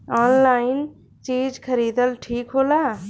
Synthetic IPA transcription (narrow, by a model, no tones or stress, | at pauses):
ɔːnlaːɪn | t͡ʃiːd͡ʒkʰəɾiːd̪əlʈʰiːkɦoːlaː